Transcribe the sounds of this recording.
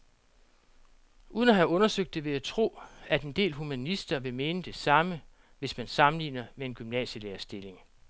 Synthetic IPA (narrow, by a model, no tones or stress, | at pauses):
ʔuːðˠənæɦæɔ̽nɐsøɡ̥̚d̥e̝ʋe̝æt͡sʰʁo̝̰ːæd̥e̝nd̥e̝̰ːlhumænisd̥ɐʋe̝me̝ːnəd̥e̝sɑ̈mə | ʋe̝smænsɑ̈mn̩lḭːnɐmee̝nɡ̥ymnɛ̰ːɕəleːɐsd̥e̝le̝ŋ